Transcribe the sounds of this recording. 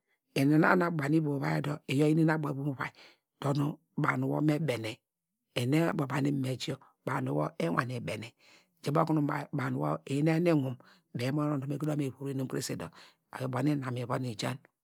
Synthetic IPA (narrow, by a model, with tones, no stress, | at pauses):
e˨ne˨na̰˦na˨bʷa˨ni˦bo˨βa˦e˦do˦e˨jo˦i˦ni˦na˦ba˨i˨˦bu˦m˦βa̰˨i˨ | d̥o˨nu˦ | ba˨nu˨wo̰˦me˦be˨ne˨ | e˨ne˦bo˨ba˨ni˦me˨t͡ʃi˦o˦ | ba˨nu˨˦wo˦e˦ŋʷa˨ne˨be˨ne˨ | d͡ʒe˨bo˦ku˦nu˦˨ba˨nu˨wo˦e˨˦ne˦ne˦ŋu˨m | be˨˦mo˦no˦˨o˨me˨˦ki˦do˦me˨βu˨ɾe˦nu˦mkḛ˦se˨do̰˨ | a̰˨jba˨˦ni˦na˨me˨βo˦ni˨t͡ʃa̰˦n